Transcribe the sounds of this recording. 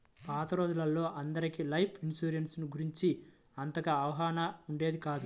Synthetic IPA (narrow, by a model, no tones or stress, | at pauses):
paːt̪ɐɾoːd̪ulɐlːo̞ːʔɐnd̪ɐɾikilɐjpʰinsuːɾensnuɡuɾiɲt͡ʃi | ɐnt̪ɐkɐːʋɐɦaːnɐuɳɖe̞ːd̪ikaːd̪u